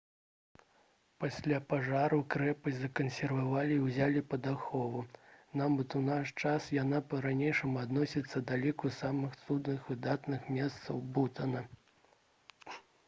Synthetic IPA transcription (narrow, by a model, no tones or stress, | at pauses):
pasʲlʲapaʐaɾukɾɛpɐzɐkɐnsʲɛrvavalʲiːwzʲalʲipɐd̪axɔvunabɨt̪unaʂt͡ʂasjan̪apɐɾanʲejʂɐmuad̪nɔsʲit̪sːɐd̪alʲikusamɨxt̪sud̪nɨxvɨd̪at̪nɨxmʲɛst̪sɐwbut̪ɐnɐ